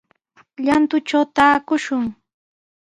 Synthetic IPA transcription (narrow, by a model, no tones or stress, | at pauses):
ʎant̪ʊt͡ʃawt̪aːkʊʃʊŋ